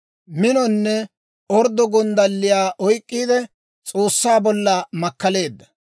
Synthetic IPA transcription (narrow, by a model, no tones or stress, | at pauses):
mɪnɔnːɛ | ɔɾd̪ɔɡɔnd̪ɐlːɪjaːʔɔjkʼːiːd̪ɛ | t͡sʼo̞ːsːaːbɔlːɐmɐkːɐle̞ːd̪ːɐ